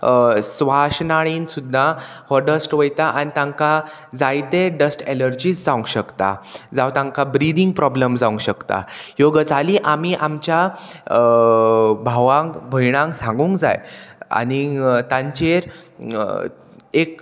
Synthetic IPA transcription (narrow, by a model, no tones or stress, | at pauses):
sʋaɕnaɭiːnsud̪ʱːa | hɔɖəsʈʋəjt̪aʔanit̪ãŋka | d͡zajt̪eɖəsʈeləɾd͡ʑisd͡zaũŋɡɕəkt̪a̰d͡zawt̪ãŋkabɾid̪iŋɡ̚pɾɔbləmd͡zaũŋɕəkt̪a̰joɡəd͡zʱaliːʔamiːʔamt͡ɕja | bʱaʋãŋkbʱəjɽ̃ãŋksãŋɡuːŋkd͡za̰ja̰nit̪ãɲt͡ɕeɾ | ek̚